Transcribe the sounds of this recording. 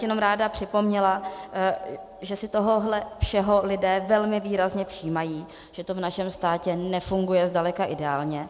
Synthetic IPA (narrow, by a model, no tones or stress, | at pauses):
jɛno̞mɾaːdapr̝̥ɪpo̞mɲɛla | ʒɛsɪt̪oɦo̞ɦlɛfʃɛɦo̞lɪdɛːvɛlmɪviːɾazɲɛpr̥iːmajiː | ʒ̥ɛt̪o̞vnaʃɛmst̪aːcɛnɛfuŋɡujɛzdalɛkaʔɪdɛaːlɲɛ